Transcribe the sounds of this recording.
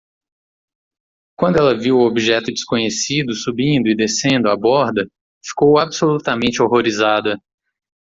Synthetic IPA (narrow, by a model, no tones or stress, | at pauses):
kwɐ̃nd̪ʊɛlɐviwʊobiʒɛt̪ʊd͡ʒɪ̥skõɲesid̪ʊsubĩnd̪ʊid̪esẽnd̪ʊabɔɾd̪ɐ | fi̥kowabsolut̪amẽnt͡ʃɪoɦoɾizad̪ɐ